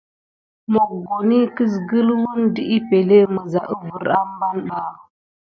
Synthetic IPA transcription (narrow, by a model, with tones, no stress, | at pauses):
mo˨kɡo˨ni˦ki˦s̬ɡə˦lwu˦ndi˦ʔi˦pe˨le˦mə˨za˨ʔə˦vu˨ɾa˦m˦ba˦nɓa˦˨